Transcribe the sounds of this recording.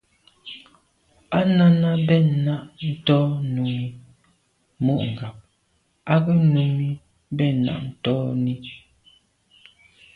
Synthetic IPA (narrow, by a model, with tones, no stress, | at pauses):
a˦na˦na˦bɛ˦˨na˦ʔn̩˦tɔː˦nu˨mi˦ | mo˦ʔŋ̩˨ɡa˨p̚ | a˦ɣɛ˦nu˨mi˦ | bɛ˦˨na̰˨ʔn̩˦˨tɔː˦ni˦